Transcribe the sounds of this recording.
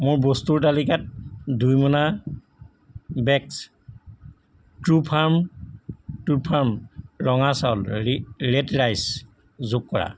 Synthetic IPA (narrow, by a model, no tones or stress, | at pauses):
mʊɹbɔstuɹtalikat̚dujmɔna | bɛks | tɹupʰaɹm | tupʰaɹmɹɔŋasaʊlɹɛtɹajs | zokkɔɹa̰